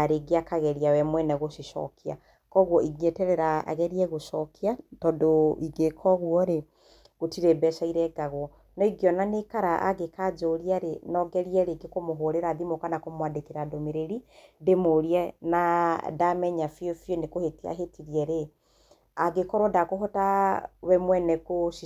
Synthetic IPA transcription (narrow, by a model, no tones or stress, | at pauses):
aɾeɡeakaɣɛɾiawɛmwɛnɛɣoʃiʃɔ̰kʰia̰ | kɔɣwɔʔiɡiɛtɛɾɛɾaa̰ɣɛɾiɛɣoʃɔkiatɔdoiɡekʰɔɣwɔɾe | ɣotiɾɛbɛʃaiɾɛɡaɣwɔ | nɔiɡiɔnanekaɾaʔa̰ɡekad͡ʒoɾiaɾenɔɡɛɾiɛɾeɡekomoɦoɾeɾaðimokanakomwadekeɾadomeɾeɾidemoɾiɛnadamɛɲafjofjonekohetia̰ɦetiɾiɛɾe | aɡekɔɾwɔdakoɦɔtawɛmwɛnɛkoʃi